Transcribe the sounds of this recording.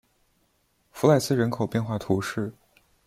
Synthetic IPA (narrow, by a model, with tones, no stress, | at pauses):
fu˧˥la˥˩ɪsɹ̩˥ɻə˧˥nkʰo˨˩ʊpjɛ˥˧nxwa˥˩t̪ʰu˧˥ʂɻ̩˥˩